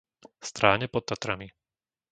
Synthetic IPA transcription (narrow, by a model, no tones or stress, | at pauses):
st̪ɾaːɲɛpɔt̪̚t̪ːat̪ɾami